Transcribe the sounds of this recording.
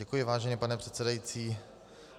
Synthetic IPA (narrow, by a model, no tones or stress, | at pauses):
ɛkujɪvaːʒɛɲɛpanɛpr̥ɛt̪t͡sɛdajit͡siː